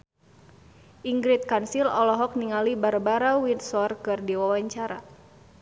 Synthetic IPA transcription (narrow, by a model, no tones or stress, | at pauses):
ʔiŋɡɾit̪̚kansilɔlɔɦɔk̚niŋalibarbaɾawinsɔrkɨrdiwawaɲt͡ʃaɾa